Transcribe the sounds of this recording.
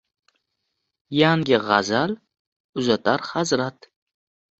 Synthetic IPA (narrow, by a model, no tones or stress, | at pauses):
jaŋɡʲɪʁa̰zal | ʊzat̪ʰaɾhazɾat̪